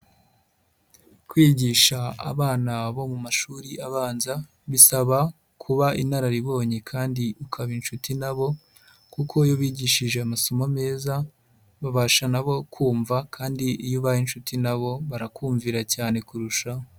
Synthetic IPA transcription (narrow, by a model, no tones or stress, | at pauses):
kwiːɟiʃaa̰βaːnaβo̞mumaʃuːɾiʔaβaːnza | βisaβa | kʰuβaʔinaɾaɾiβo̞ːɲekʰaːndiukʰaβinʃutinaβo̞ | kukʰo̞joβiːɟiʃiʒe̞amaso̞mome̞ːza | βaβaʃanaβo̞kʰuːɱvakʰaːndiʔijuβajinʃutinaβo̞βaɾakuːɱviɾacaːne̞kuɾuʃa